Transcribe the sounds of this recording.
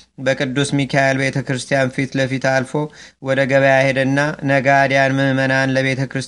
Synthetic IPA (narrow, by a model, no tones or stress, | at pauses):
bəkʼɨd̪ːusmikʰajalbe̞t̪ʰəkɾɨst̪ʰijanfit̪ləfit̪alfo̞wɔd̪əɡəβəjahed̪ɨnːanəɡad̪janmɨmmənanləβe̞t̪ʰəkɾɨs